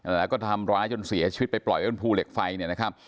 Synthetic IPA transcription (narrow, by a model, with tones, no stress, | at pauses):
ʔlɛː˦˥wkɔː˥˩t̪ʰa˧mɾaː˦˥jt͡ɕo˧nsi˩˦t͡ɕʰi˧˦t̪̚pa˧jplɔ̰˨˩jo˥˩npʰuː˧le˨˩k̚fa˧jni˥˩ɐna˦˥kʰa˦˥p̚